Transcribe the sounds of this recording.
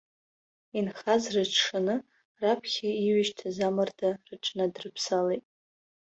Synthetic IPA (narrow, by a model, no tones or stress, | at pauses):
inχazrɨt͡ʃʰʂanɨ | rapʰχʲaiɥɪʃtʰazamɨrdarɨʈ͡ʂʼnadrɨpʰsalejtʼ